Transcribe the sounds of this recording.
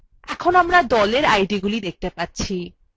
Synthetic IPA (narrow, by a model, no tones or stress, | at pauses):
ɛkʰonamɾad̪ɔleɾajɖiɡulid̪ek̚t̪epatːɕʰi